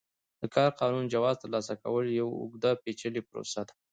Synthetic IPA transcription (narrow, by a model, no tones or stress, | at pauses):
d̪̥əkɑɾqɑnund͡ʒawɑzt̪əɾlɑsaka̰wəljawʊ̰ɡd̪apet͡ʃəlipɾo̰sad̪ḁ